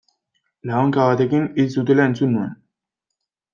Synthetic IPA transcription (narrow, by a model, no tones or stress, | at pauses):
laɣoŋkaβat̪e̞kinisd̪ut̪e̞laent͡sunːue̞n